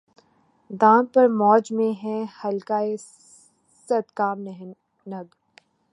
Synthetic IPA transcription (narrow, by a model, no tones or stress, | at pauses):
d̪aːmpɐɾmɔːd͡ʒmẽɦɛ̃hɐlkaːe | sɐt̪kaːmnɛɦ | nɐɡ